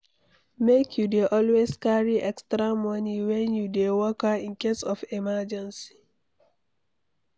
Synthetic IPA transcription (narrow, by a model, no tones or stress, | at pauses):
mekʰjudeʔɔlweskaɹiʔɛkstɾamɔniwɛ̃njudewɔkaĩnkesɔfimad͡ʒɛ̃nsi̥